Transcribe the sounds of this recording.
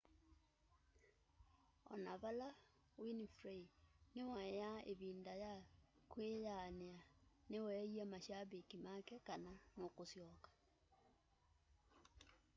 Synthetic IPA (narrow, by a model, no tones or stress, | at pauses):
ɔ̰naβala | winifɾeinewajaḛβindajakwejaneanewɛiamaʃaβikimakɛkananokosjɔkḁ